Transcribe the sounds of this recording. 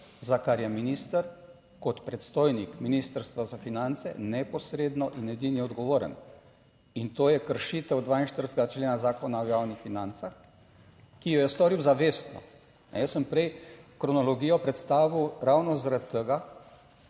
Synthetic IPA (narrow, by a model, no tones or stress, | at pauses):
zakaɾjɛminist̪əɾ | kɔt̪pɾɛt̪st̪oːjnikminist̪əɾst̪ʋazafinant̪sɛ̰nɛpɔsɾeːd̪nɔʔinɛd̪injɛɔd̪ɡɔʋoːɾə̰n | int̪oːjɛkəɾʃiːt̪əwd̪ʋaːinʃt̪əɾsɡat͡ʃleːnazaːkɔnaɔjaːwnixfinant̪sax | kijɔjɛst̪ɔɾiwzaʋeːst̪nɔ̰ | nɛ̰jəssəmpɾɛjkɾɔnɔlɔɡijɔpɾɛt̪st̪aːʋiwɾawnɔzaɾat̪ʰːəɡa